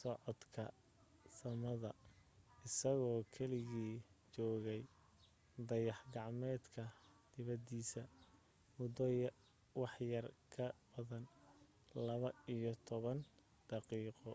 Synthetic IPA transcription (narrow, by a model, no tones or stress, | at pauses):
sɔʕɔd̪kʰɐ | sɐmɐðɐ | ɪsɐɣɔːkʰɛlɪɣiːt͡ʃɔːɣɛj | d̪ɐjɑħɡɑʕmɛːd̪kʰɐd̪̥ɪβɐd̪iːsɐ | mʊd̪ɔjɐ | wɑħjɐrkʰɐb̥ɐðɐn | lɐβɐijɔt̪ʰɔβɐn | d̪̥ɑqiːqɔ